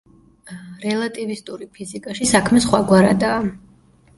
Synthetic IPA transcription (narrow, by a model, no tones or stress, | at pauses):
ɾɛlˠat̪ʼivist̪ʼuɾipʰizikʼaʃisakʰmɛsχwaɡwaɾad̪aː